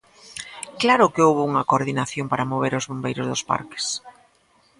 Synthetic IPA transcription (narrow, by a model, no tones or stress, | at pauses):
klaɾʊkɪowβʊuŋɐkoɾðinaθjompaɾamoβ̞eɾʊzβombejɾʊzðʊspa̰ɾkɪ̥s